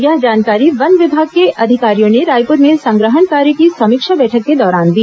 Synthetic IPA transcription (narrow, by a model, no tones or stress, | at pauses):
ɡjad͡ʒaːnkaːɾiʋɐnʋɪbʱaːɡ̚keʔɐd̪ʱɪkaːɾijõneɾaːjpʊɾmẽsɐ̃ŋɡɾəɦəɳkaːɾjəkisɐmɪkʃabɛːʈʰəkːed̪ɔːɾaːnd̪iː